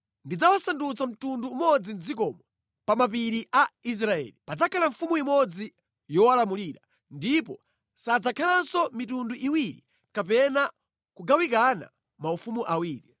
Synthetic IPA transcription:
ndid͡zawasandut͡sam̩tunduːmɔd͡zind͡zikɔmɔ | pamap̬iɾiʔais̬ɾaɛ̰lipad͡zakʰalaɱfumuimɔd͡zi | jɔwalamuliɾa | ndipɔ | sad͡zakʰalansɔmitunduʔiwiɾḭ | kapɛna | kuɡawikana̰ | maufumuʔawiːɾi

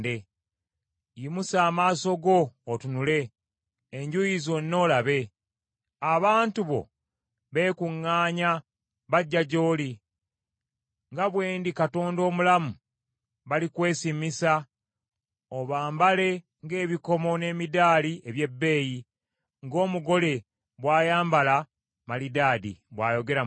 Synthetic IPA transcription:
de | jimusaːmaːso̞ɡo̞ːtunule̞ː | ɲɟujizo̞nːo̞ːlaβe̞ | aβaːntuβo̞̰ | βe̞ːkuŋːaːɲa | βaɟːaɟo̞ːli | ŋɡaβwe̞ːndikato̞ːndo̞ːmulamu | βalikwe̞ːsimisa | oβaːmbale̞ | ŋɡe̞ːβiko̞mo̞ne̞ːmidaːlieβje̞bːe̞ːji | ŋɡo̞ːmuɡo̞le̞ | βwaːjaːmbala | malidaːdḭβwa̰ːjo̞ɡe̞ɾa

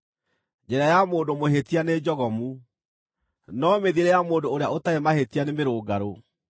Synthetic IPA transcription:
d͡ʒɛɾajamoːdomoɦetianed͡ʑɔɣɔmu | nɔmeðieɾejamoːdoːɾeaotaemahetianemeɾoːɡaɾo

